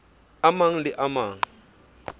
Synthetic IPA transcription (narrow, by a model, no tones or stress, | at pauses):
amaŋ̩lɪʔamaːŋ̩